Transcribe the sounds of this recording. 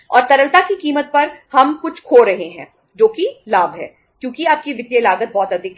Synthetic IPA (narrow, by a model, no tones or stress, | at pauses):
ɔ̰ːɾt̪ɐɾəlt̪akikiːmət̪̚pɐɾhɐmkʊt͡ʃʰkʰoːɾɐɦeɦɛ̃ː | d͡ʒoːkilaːbɦɛ̰ː | kjõːkiaːp̚kiʋɪt̪ːielaːɡət̪̚bɔːt̪ɐd̪ʱik